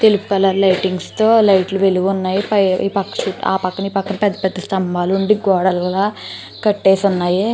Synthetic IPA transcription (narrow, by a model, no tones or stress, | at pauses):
t̪e̞lupu̥kɐlɐɾlɐjʈiŋɡst̪o̞ːlɐjʈluʋe̞luɡunːaːjipɐ̰pɐkːɐ̥ʃuːʈa̰ːpɐkːɐnipɐkːɐmpɛd̪ːɐpɛd̪ːɐst̪ɐmbaːluɳɖiɡɔːɽɐllaː | kɐʈːeːsunːaːji